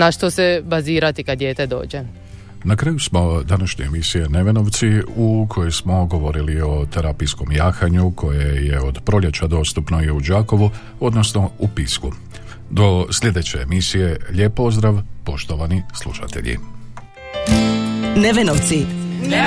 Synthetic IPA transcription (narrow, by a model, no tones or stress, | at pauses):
naʃt̪osebaziːɾat̪ikad̪d̪jeːt̪ed̪o̞̰ːd͡ʑe | nakɾaːjusmo̞d̪anaʃɲe̞emisije̞ne̞ʋe̞no̞ʋt̪siukʰo̞jejsmo̞ɡo̞ʋo̞ɾilio̞t̪eɾaːpijsko̞mjaːxaɲukʰo̞jejeod̪pɾo̞ʎʲe̞t͡ɕad̪o̞ːst̪upnoiud͡ʒaːko̞ʋu | o̞d̪nosno̞upisku | d̪o̞sʎʲe̞d̪e̞t͡ɕe̞ːmisije̞ʎe̞ːpozd̪ɾaʋpo̞ʃt̪o̞ʋanislˠṵʃa̰t̪e̞̰ʎḭ | neʋenoʋt̪si